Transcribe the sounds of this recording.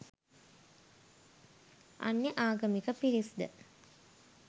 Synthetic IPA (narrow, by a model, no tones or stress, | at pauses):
a̰nːeʔaːɡəmikəpiɾisd̪ə̰